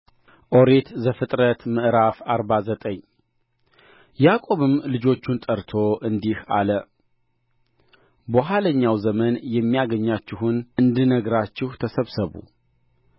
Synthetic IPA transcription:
ʔo̞ɾet̪zəfɨt̪ʼɾət̪mɨʔɾafaɾβazət̪ʼəɲ | jakʼo̞βɨmlɨd͡ʒo̞t͡ʃːunt̪ʼəɾt̪ʰo̞ʔɨnd̪iha̰lə | boɦaləɲːawzəmənjɛmːijaɡəɲːat͡ʃːɪɦunɨnd̪ɨnəɡɾat͡ʃːɪht̪ʰəsəβsəβṵ

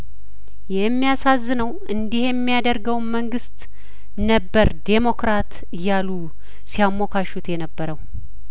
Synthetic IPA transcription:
jɛmːijasazːɨnəwʔɨnd̪ihejɛmːijad̪əɾɡəwnməŋɡɨst̪ | nəbːəɾd̪e̞mo̞kɾat̪ | ɨjalu | sijamːo̞kʰaʃut̪jɛnəbːəɾəw

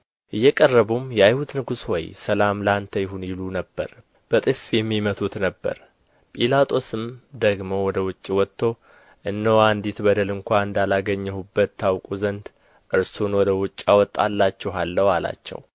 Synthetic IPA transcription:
ʔɨjːɛkʼərːəβumjajhud̪nɨɡuswɔjsəlamlant̪ʰəjɪɦunjɪlunəbːə̰ɾ | b̥ət̪ʼɨfjɛmːimət̪ʰut̪nəbːə̰ɾ | pʼilat̪ʼʰo̞sɨmd̪əɡmo̞wɔd̪əwʊt͡ʃʼːiwɔt̪ʰːo̞ | ʔɨnːowand̪it̪bəd̪əlɨŋkʷanɨnd̪alaɡəɲːɛhubːət̪ʰːawkʼuzənd̪ | ʔɨɾsunwɔd̪əwʊt͡ʃʼːawɔt̪ʼːa̰lːat͡ʃːɛwɦalːəwala̰t͡ʃːɛ̰w

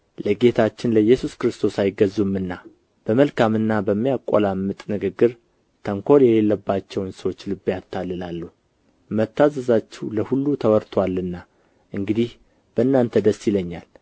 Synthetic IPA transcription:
ləɡe̞t̪ʰat͡ʃːɪnləjɛsuskɾɨst̪ʰo̞sajɪɡəzumːɨnːa | b̥əməlkamɨnːabəmːijakʼo̰lamːɨt̪ʼnɨɡɨɡːɨɾ | t̪ʰəŋkʰo̞ljɛle̞lːəbːat͡ʃːɛwnsəwot͡ʃːlɨbːjat̪ʰːalːɨlalːuh | mət̪ːazəzat͡ʃːɛwləhulːut̪ʰəwɔɾt̪ʰwalːɨnːa | ʔɨŋɡɨd̪ih | b̥əɨnːant̪ʰəd̪əsːiləɲːal

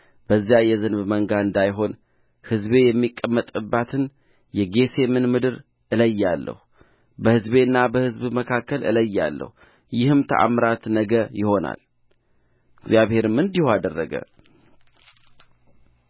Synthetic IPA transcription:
b̥əzːjajɛzɨnβməŋɡaɨnd̪ajɦo̞n | hɨzbe̞jɛmːikʼːəmːət̪ʼɨbːat̪ʰɨn | jɛɡe̞se̞mɨnmɨd̪ɨɾ | ʔɨləjːalːə̰hu | bəhɨzbe̞ɨnːabəhɨzbməkʰakːəlʔɨ̰ləjːa̰lːə̰hu | jɪhɨmt̪ʰə̰ʔa̰mɾat̪nəɡəjɪho̞na̰l | ɡzjaβhe̞ɾɨmɨnd̪ihoad̪ərːəɡə̰

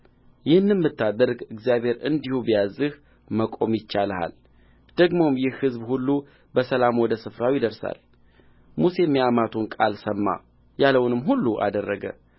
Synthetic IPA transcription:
jɪhɨnːɨnmːɨt̪ːad̪əɾɡɨɡzijaβhe̞ɾɨ̰nd̪ihubijazɨh | məkʼo̞mjɪt͡ʃːalha̰l | d̪̥əɡmo̞mjɪhhɨzbhulːu | bəsəlamwɔd̪əsɨfɾawjɪd̪əɾsa̰l | muse̞mːijamat̪ʰunkʼalsəmːa̰ | jaləwnɨmɦulːuʔa̰d̪ərːəɡə̰

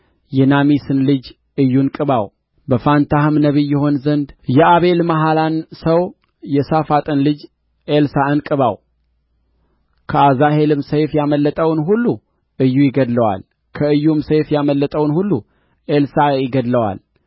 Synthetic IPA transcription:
jɛnamisɨnlɨd͡ʒ | ʔɨjːunkʼɨβaw | bəfant̪ʰahɨmnəβɨjːɛho̞nzənd̪jɛaβe̞lmaɦalansəw | jɛsafat̪ʼɨnlɨd͡ʒ | ʔelsaɨnkʼɨβaw | kʰəazahe̞lɨmsejfjaməlːət̪ʼəwnɦulːu | ʔɨjːujɪɡəd̪ləwa̰l | kʰəɨjːumsejfjaməlːət̪ʼəwnhulːu | ʔelsajɪɡəd̪ləwa̰l

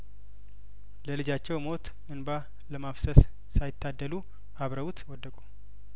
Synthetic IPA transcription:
ləlɨd͡ʒat͡ʃːɛwmo̞t̪ | ɨnba | ləmafsəs | sajɪt̪ːad̪ːəlu | aβɾəwut̪ʰwɔd̪ːəkʼu

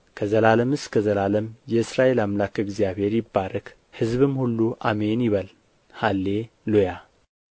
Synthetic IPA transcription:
kʰəzəlaləmɨskʰəzəlaləmjɛɨsɾaʔe̞lamlakɨɡzijaβhe̞ɾjɪbːaɾək | hɨzβɨmhulːuʔa̰menjɪβəl | halːe̞ | loja

